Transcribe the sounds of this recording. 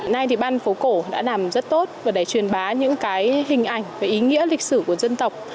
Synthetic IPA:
na˧jt̪ʰi˨˩ɓaː˧nfo˨˦ko˧˩ɗa̰ː˧˥laː˨˩mzə˦˥t̚t̪o˦˥t̚vaː˨˩ɗa˧˩jt͡ɕwi˨˩ənɓaː˨˦ɲɨ̰˧˥ŋkaː˨˦jhï˨˩ŋ̟ʔa˧˩jŋ̟vaː˨˩ʔi˨˦ŋḭ˧˥əlï˨˩k̟̚sɨ˧˩ku˧˩əzə˧nt̪ə˨˩wk͡p̚

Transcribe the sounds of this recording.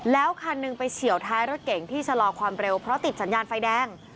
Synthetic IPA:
lɛː˦˥wkʰa˧nːɯ˧ŋpa˧jsʰi˨˩˦əwt̪ʰaː˦˥jɾo˦˥t̪̚ke˨˩˦ŋt̪ʰiː˥˩t͡ɕʰa˧lɔː˧kʰwaː˧mɾe˧wpʰɾɔ˦˥t̪i˨˩t̪̚sa˩˦njaː˧nfa˧jdɛː˧˥˩ŋ

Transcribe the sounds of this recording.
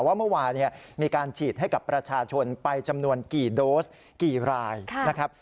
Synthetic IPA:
waː˥˩mɯ˥˩waː˧nːi˦˥˩ɐmiː˧kaː˧nt͡ɕʰiː˨˩t̪̚ɦa˥˩jka˨˩pːɾa˧t͡ɕʰaː˧t͡ɕʰo˧npa˧jt͡ɕa˧mnu˧ənkiː˨˩doː˦˥s | kiː˨˩ɾaː˧jʰna˦˥kʰa˦˥p̚

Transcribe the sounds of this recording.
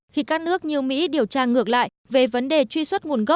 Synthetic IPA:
xi˧kaː˦˥k̚nɨ˦˥ək̚ɲi˨˩əwmḭ˧˥ɗi˨˩əwt͡ɕaː˧ŋɨ˨˩ək̚la̰ː˧˨j | ve˨˩və˨˦nɗe˨˩t͡ɕwi˧swə˦˥t̚ŋu˨˩ənɣə˦˥

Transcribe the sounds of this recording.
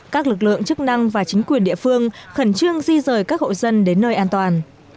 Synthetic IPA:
kaː˦˥k̚lɨ˨˩k̬̚lɨ̰˧˨əŋt͡ɕɨ˦˥k̚na˧ŋvaː˨˩t͡ɕi˨˦ŋ̟kwi˨˩ənɗḭ˧˨əfɨ˧əŋxə˧˩nt͡ɕɨ˧əŋzi˧zəː˨˩jkaː˦˥k̚ho̰˧˨zə˧nɗe˨˦nːəː˧jʔaː˧nt̪waː˨˩n

